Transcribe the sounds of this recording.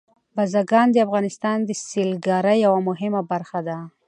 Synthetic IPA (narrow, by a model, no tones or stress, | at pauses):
bazaɡɑnd̪əafɣɑnɪst̪ɑnd̪əsilɡɑɾajːawamʊɦɪmabaɾxad̪a